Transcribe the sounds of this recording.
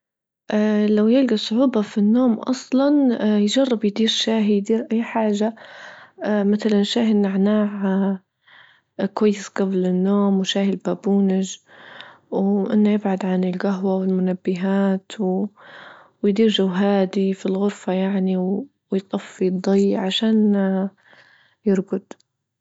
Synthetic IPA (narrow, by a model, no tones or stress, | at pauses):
ʔalawjɪlɡisˤʊħuːbɑfinːoːmʔɑ̰sˤlɑnjd͡ʒɑrˤːɪbjd̪iːɾʃaːɦijd̪iːɾʔajːħaːʒa | maθalanʃaːɦɪnaʕnaːʕ | kwajːɪsɡablɪnːoːmwʃaːhɪlbaːbuːnɪʒ | wʔɪnːajɪbʕad̪ʕanɪlɡaɦwawɪlmʊnabːɪɦaːt̪w | wjd̪iːɾʒawɦaːd̪ifilɣʊɾfajaʕniw | wjt̪ˤɑfːid̪ˤːɑjːʕaʃaːn | jɪɾɡʊd̪̥